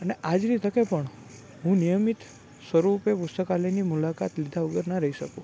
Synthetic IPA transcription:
əneʔad͡ʒnit̪ʰəkepəɳ | ɦũnijəmit̪ | sʋəɾupepʊst̪əkaləjnimulaka̰t̪lid̪ʱaʋəɡəɾnaɾəɦiʃəkũ

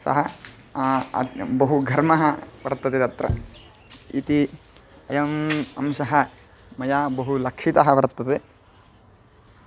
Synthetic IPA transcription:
sɐ̰ɦɐ | bɐɦuɡʱɐɾmɐɦɐʋɐɾt̪ːɐt̪et̪ɐt̪ɾɐ̰ | ḭt̪iɐjɐmɐ̰mʃɐɦɐ | mɐjaːbɐɦulɐkʂit̪ɐɦɐʋɐɾt̪ːɐt̪e

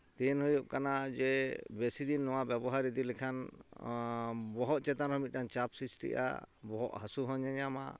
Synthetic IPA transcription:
t̪ɛnɦɔjuʔkanad͡ʒɛbesid̪inːɔwabɛbɔɦaɾid̪ilɛkʰan | bɔɦɔʔ̪̚t͡ʃɛt̪anɦɔmit̪̚ˀkant͡ʃapsisʈḭʔa̰bɔɦɔʔhasuɦɔ̃ɲaɲama̰

